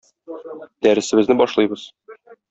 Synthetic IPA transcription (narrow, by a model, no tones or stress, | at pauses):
d̪æɾɘ̆sɘ̆bɘznɘbɒʃlˠɤjbɤz̥